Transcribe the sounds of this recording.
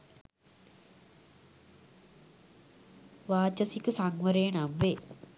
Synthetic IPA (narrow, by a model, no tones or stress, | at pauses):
ʋaːt͡ʃɐsikɨsaŋʋɐɾenamʋe